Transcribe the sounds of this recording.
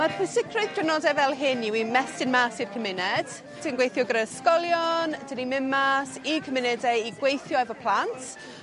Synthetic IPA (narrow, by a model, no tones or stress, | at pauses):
mapʰʊsɪkʰrɨðɡrɪnɔdɛvɛlˠɦɪnːiwimɛsɪnmaːsɪr̥kʰəmɪnɛd̥ | tʰɪnɡwejθjɔɡɾəskɔlˠjɔndʰənimɪnmasikʰəmɪnɛdɛiɡwejθjɔɛvɔpʰlˠantʰ